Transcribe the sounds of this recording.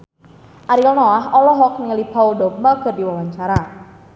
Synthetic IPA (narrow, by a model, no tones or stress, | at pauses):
ʔaɾilnɔaɦɔlɔɦɔk̚niŋəlib̥a̤wudɔp̚məɡ̥ə̤rdiwawaɲt͡ʃaɾa